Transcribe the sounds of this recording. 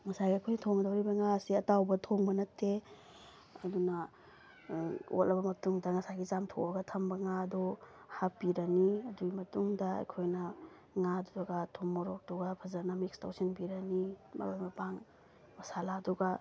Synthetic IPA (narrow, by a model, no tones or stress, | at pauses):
ŋɐsaɡiɐjkʰojntʰoŋɐdɐwɾibɐŋasiɐtawbɐtʰoŋmɐnɐtʰːe | ɐdunɐ | o̰tlʔɐbɐmɐtuŋdɐŋɐsaɡit͡ʃamtʰoɐɡɐtʰɐmbɐŋadɔ | hapiɾɐniɐduɡimɐtuŋdɐɐ̰jkʰojnɐ | ŋadudaɡatʰomːɔɾɔk̚d̥uɡapʰɐzɐɾnɐmikstʰa̰wsinpiɾɐnimɐ̰ɾojmɐpaŋ | mɐsaladuɡa